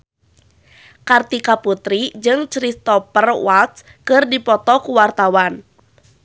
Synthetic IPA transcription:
kart̪ikaput̪ɾid͡ʒɨŋt͡ʃɾist̪ɔpərwat̪s | kɨrdipɔt̪ɔkuwart̪awan

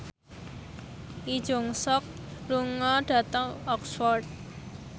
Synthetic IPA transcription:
ʔi̥ʒ̥oŋsɔk̚ | luŋɔɖ̥ä̤t̪əŋɔksfɔrd̚

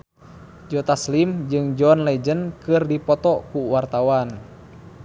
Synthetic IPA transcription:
d͡ʒɔt̪aslimd͡ʒɨŋd͡ʒɔnlɛd͡ʒənkɨrdipɔt̪ɔkuwart̪awan

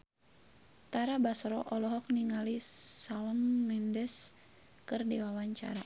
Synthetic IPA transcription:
t̪aɾabasɾɔʔɔlɔɦɔk̚niŋalisaɔnmɛndɛs | kɨrdiwawaɲt͡ʃa̰ɾa

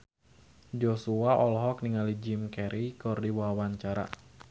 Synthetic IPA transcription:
d͡ʒɔsuaʔɔlɦɔkniŋalid͡ʒimkɛɾʔikɔrdiwawaɲt͡ʃaɾa̰

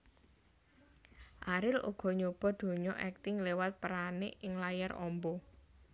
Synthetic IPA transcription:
ʔaɾɪlṵɡ̥ɔ̤ɲob̥ɔ̤d̪̥o̤ɲɔʔɛk̚t̪ɪŋlewat̪̚pəɾanɪʔɪŋlajaɾɔ̰mbɔ

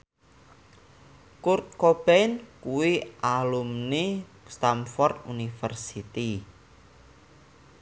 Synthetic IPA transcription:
kurt̪̚kob̥ɛnkuwiʔalumni | st̪amfɔrt̪unifərsit̪i

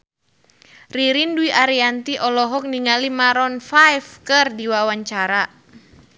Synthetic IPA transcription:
riɾinduiʔaɾiant̪iʔɔlɔɦɔk̚niŋalimaɾɔnfajfkɨrdiwawaɲt͡ʃaɾa

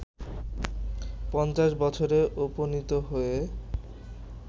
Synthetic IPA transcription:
pɔnt͡ɕaʃbɔt͡ɕʰoɾeʔoponit̪oɦoe

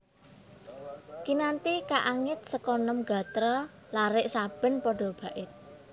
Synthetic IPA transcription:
kinant̪ikaʔaŋɪt̪̚səkɔnɔmɡä̤t̪ɾɔ | laɾɪʔsab̥ə̤npɔɖ̥ɔ̤b̥ä̤ʔɪt̪̚

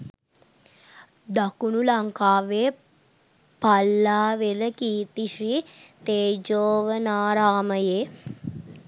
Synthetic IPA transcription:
d̪akunulaŋkaːʋeː | palːaːʋeləkiːt̪iʃɾiːt̪eːd͡ʒoːʋənaːɾaːməjeː

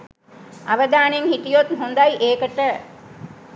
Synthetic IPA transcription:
aʋəd̪aːneŋhit̪ijot̪ɦund̪ajʔeːkəʈə

